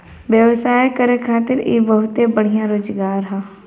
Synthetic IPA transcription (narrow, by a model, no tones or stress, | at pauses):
ʋjəʋsaːjkəɾekʰaːt̪ɪɾḛbəɦʊt̪ebəɽ̤ijãɾoːd͡ʒɡaːɾɦɛː